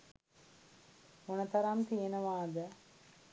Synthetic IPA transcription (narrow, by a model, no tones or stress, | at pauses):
onɐt̪ɐɾɐmt̪ijənəʋaːd̪ə